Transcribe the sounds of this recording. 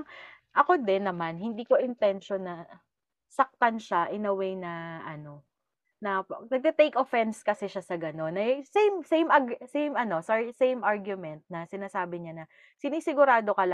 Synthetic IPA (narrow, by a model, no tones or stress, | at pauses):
ʔɐko̞d̪ɛnːɐmanhɪnd̪iːko̞ʔɪnt̪ɛnʃonːɐ | sɐk̚t̪ɐnʃaʔɪnɐwejnɐʔɐno̞ | nɐnɐɡ̚t̪ɛt̪ejkʔofɛnskɐsɛʃasɐɡɐno̞nːɐsejmsejmʔaɡsejmɐno̞sasejmʔaɹɡjʊmɛnt̪̚nɐsɪnaːsaːbɪɲanɐ | sɪniːsɪɡʊɾaːd̪o̞kɐlɐ